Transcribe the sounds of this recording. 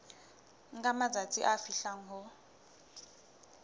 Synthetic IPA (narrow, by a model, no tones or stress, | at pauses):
ŋ̩kʼamad͡zat͡sʼḭʔafiɬaŋ̩ɦɔ